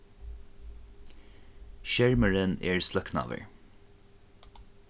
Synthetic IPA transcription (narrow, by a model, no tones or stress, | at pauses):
ʃɛɹməɹənḛːɹslœknɑ̰ːʋə̰ɹ